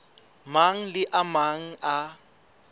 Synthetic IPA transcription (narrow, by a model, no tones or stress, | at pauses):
maŋ̩lɪʔamaŋ̩ʔa